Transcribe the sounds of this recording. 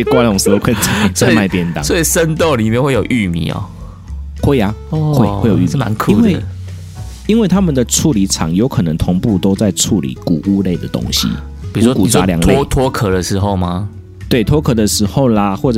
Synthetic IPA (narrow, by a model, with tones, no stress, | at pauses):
e˧˩kwa˥lo˨ŋskʰwə˥˩t͡ɕa˨˩˦ma˥˨ɪpjɛ˧˥nt̪a̰˨˦swo˥i˨˩ʂə˦nt̪o˥˨ʊli˨˩mjɛ˥˧we˥˩jo˨˩ʊʔy˥˩mḭ˨˩˦ɔ̰˨˩ | xwe˥˩ɪa˨ɔ˥˩xwe˥˩ɪxe˥˩˨jo˨y˥˨ma̰˧˦nkʰi˦˥˨nwe˥˨ɪ˩ | i˥nwe˥˩ɪt̪ʰa˥mə˨nd̪ə˨ʈ͡ʂʰu˥˨˩li˨˦ʈ͡ʂʰɑ̰˨˦ŋjo˨˦ʊkʰɤ˨˩nə˧˦ŋt̪ʰʊ˧˥ŋpu˥˨t̪o˥ʊt͡sa˥˨ɪʈ͡ʂʰu˥˩lḭ˨˦ku˨˩ʔu˦˥le˥˩ɪd̪ə˩t̪o̰˥ŋɕḭ˨˦ | pi˨˩u˨˦wɔ˥ku˨˩a˦˥˦lja̰˨˦ŋʰlt̪ʰwɔ˥kʰɤ˨˩d̪ə˨ʂɻ̩˧˥xo˥˧ʊma˦ | t̪we˥˩ɪt̪ʰwɔ˥kʰɤ˨˩d̪ə˨ʂɻ̩˧˥xo˥˩ʊla˨xwɔ˥˩ʈ͡ʂ